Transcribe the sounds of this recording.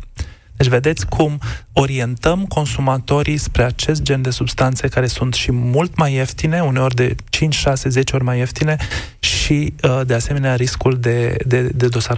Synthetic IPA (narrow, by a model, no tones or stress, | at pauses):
d̪̥et͡ʃʲve̞d̪et̪sʲkʰumo̞ɾie̞nt̪əmko̞nsumat̪o̞ɾispɾe̞at͡ʃe̞s̬t̪̚d͡ʒe̞nd̪e̞subst̪ant̪sekaɾe̞sunt̪ʃimult̪maje̞ft̪ine̞une̞o̞rʲd̪e̞t͡ʃint͡ʃʲʃase̞ze̞t͡ʃeo̞ɾʲmajeft̪ine̞ | ʃid̪e̞ase̞me̞neaɾiskuld̪e̞d̪ed̪e̞d̪o̞saɾ